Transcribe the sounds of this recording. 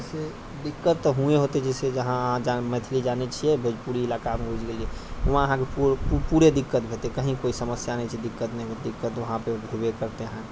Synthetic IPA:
d͡ʒse | d̪ɪkːət̪ːɦũeɦot̪ed͡ʒɛsed͡ʒəɦããd͡ʒamət̪ʰilid͡ʒanet͡ʃʰiɛbʱed͡ʒpuɾiɪlakamɡʱud͡ʒɡed͡ʒɛʊmãəɦãkepppuɾed̪ɪkːət̪̚bʱet̪ekəɦĩkoisəməsjanɛt͡ʃʰid̪ɪkːət̪need̪ɪkːət̪ʋəɦãpebʱebekəɾt̪eɦã

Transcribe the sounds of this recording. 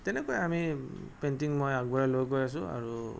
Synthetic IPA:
tɛnɛkɔjɛamipentiŋmojaɡbaɹalojkojas̬ʊ̃a̰ɹu

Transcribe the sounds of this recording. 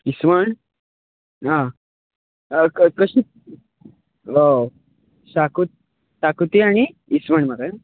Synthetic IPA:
isʋəɳ | ɦã | kkəɕi | o | sakut̪̚ | sakut̪iaɽ̃iisməɳmak̪a

